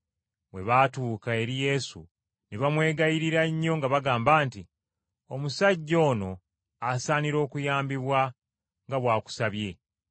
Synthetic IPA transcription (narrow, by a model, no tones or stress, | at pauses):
βwe̞̰βaːtuːkae̞ɾije̞sṵ | niβamwe̞ːɡajiɾiɾaɲːo̞ŋɡaβaɡaːmbaːnti | o̞musaɟːo̞ːno̞ | asaːniɾo̞ːkujaːmbiβwa | ŋɡaβwaːku̥saβje̞